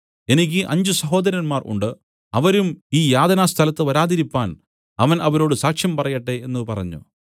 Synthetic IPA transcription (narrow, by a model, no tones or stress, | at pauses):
e̞nikʲːɨʔɐɲd͡ʑusɐɦo̞ːd̪ɐɾɐnmaːrʔṵɳɖɨ | ɐʋɐɾumiːjaːd̪ɐnaːst̪ʰɐlɐt̪ːɨʋɐɾaːd̪iɾipːaːn | ɐʋɐnʔɐʋɐɾo̞ːɽɨsaːkʂjɐmpɐrɐjɐʈːe̞enːupɐrɐɲːṵ